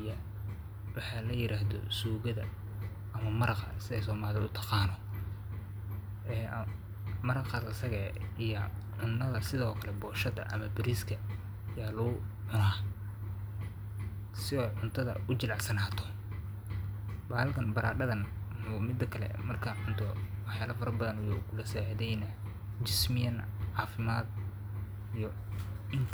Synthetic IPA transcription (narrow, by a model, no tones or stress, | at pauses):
jɐ | wɑħɑːlɐjɪɾʔaːɦðɔ̰suːɣɐðɐ̰ | ʔɐmɐmɐɾɑqɐ̰sɪðɛjsɔːmaːðɪʊ̰t̪ʰɐ̥qɑːnɔ | ɛː | mɐɾɑqɐðɐsɐɣɛːijɐ | ʕʊnːɐðɐsɪðɔːkʰɐlɛbɔːʃɐðɐ̰ʔɐ̰mɐbɪɾiskʰɐ | jaːlʊɣʊħʊnaː | sɪɔʕʊnt̪ʰɐðɐ̰ʔʊt͡ʃɪlɑʕsɐnaːt̪ʰɔ̥ | baːlkʰɐnbɐɾa̰ːɖɐðɐnɔmɪd̪ɐkʰɐlɛ̰mɐrkʰɐʕʊnt̪ʰɔwɑħjaːlɐfɐɾɐrbɐðɐnwjṵkʰʊlɐsaːʕðɛjnɐ | t͡ʃɪsmɪjɐnʕɑːfɪmaːd̪ | ijɔ | ɪntʰ